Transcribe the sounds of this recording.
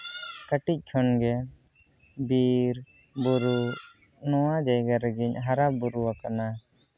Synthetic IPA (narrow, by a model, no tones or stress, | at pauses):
kəʈic̚ˀkʰɔnɡɛ | biɾ | buɾu | nɔwad͡ʒajɡaɾəɡiɲɦaɾabuɾuwakana